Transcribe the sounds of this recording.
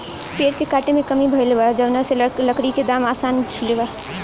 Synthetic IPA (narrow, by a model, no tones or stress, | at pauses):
peːɾkekaːʈemẽkɐmibʱɐlʋad͡ʒɐʋnaselɐkɽiked̪aːmaːsaːnt͡ʃʰʊleʋaː